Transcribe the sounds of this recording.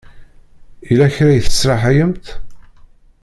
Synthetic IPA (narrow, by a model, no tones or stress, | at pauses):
ilæçɾæjθə̥sɾɑħæjəmt̪